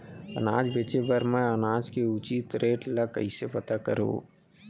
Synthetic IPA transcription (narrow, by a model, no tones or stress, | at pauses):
ɐ̰naːd͡ʒbeːt͡ʃebəɾmẽɐnaːd͡ʒkeʊt͡ʃiːt̪ɾeːʈlakə̰isepɐt̪akəɾo̰ː